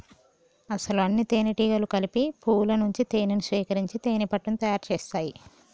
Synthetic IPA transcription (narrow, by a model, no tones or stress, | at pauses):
ɐsɐluɐnːit̪eːniʈiːɡɐlukɐlipipʰuːlɐnuɲt͡ʃit̪eːninusʋiːkɐɾiɲt͡ʃit̪eːnipɐʈːɐnt̪ɐjaːɾt͡ʃeːst̪aːji